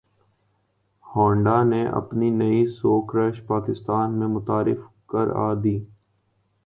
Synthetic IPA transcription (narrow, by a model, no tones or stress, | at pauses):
hɔ̃ːɳɖaːneʔɐ̰pninəisoːkɾɛʃpaːkɪst̪aːnmẽmʊt̪aːɾɪ̰f | kə̰ɾa̰ːd̪iː